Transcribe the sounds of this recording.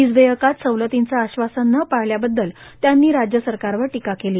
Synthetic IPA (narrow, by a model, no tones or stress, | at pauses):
id͡zd̪əjəkat̪səwlət̪int͡saːɕʋasanːəpaɦljabəd̪ːəlt̪janːiːɾad͡ʑjəsəɾkaɾʋəɾʈikakeliː